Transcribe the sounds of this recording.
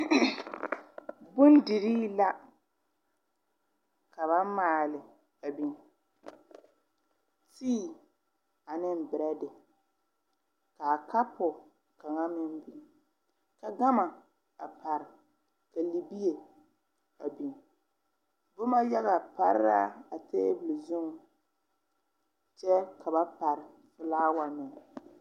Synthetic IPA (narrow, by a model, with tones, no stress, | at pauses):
bʊ˦n˦dɪ˨ɾiː˦la˦ | ka˨βa˦maː˨lɪ˨ | a˨bi˨n | tiː˦˨ | a˨nɪ˦m˨bɪ˨ɾa˦dɪ˨ | ka˨ka˦pɔ˨ | ka˨ŋa˦mɪ˦n˦bi˨ | ka˨ɡa˦ma˨ | a˨pa˨ɾɪ˨ | ka˨li˨bi˦e˨ | a˨bi˨n | bʊ˦ma˦jɛ˦ɣa˨pa˦ɾɪ˦ɾa˦a˨teː˦bu˨li˨zʊ˦ŋ˨ | t͡ʃɛ˦kʰa˨ba˦pa˨ɾɪ˨ | fʊ˦laː˦wa˨nɪ˨